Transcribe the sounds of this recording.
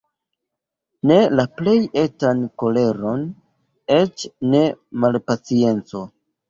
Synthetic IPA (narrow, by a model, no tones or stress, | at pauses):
ne̞laple̞je̞tanko̞le̞ɾo̞n | e̞t͡ʃne̞malpat͡sie̞nt͡so̞